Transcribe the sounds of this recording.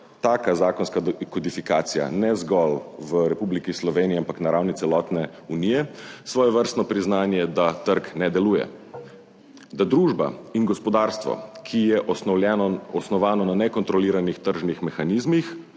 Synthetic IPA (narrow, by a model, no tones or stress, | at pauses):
t̪aːkazaːkɔnskakɔd̪ifikaːt̪sija̰nɛzɡɔlʋəɾɛpublikislɔʋeːniiampaknaɾawnit̪sɛlɔːt̪nɛ | unijɛsʋɔːjɛʋəɾst̪nɔpɾiznaːnjɛd̪at̪əɾknɛd̪ɛluːjɛ̰ | d̪ad̪ɾuːʒba̰inɡɔspɔd̪aːɾst̪ʋɔ̰kʰijɛʔɛɔsnɔʋaːnɔnanɛkɔnt̪ɾɔliːɾanixt̪əɾʒnixmɛxanizmix